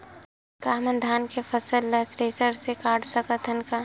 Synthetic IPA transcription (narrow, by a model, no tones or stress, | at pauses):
kaːɦmənd̪ʱaːnkepʰəsəlːət̪ɾeːsəɾsekaːɖsəkət̪ʰənka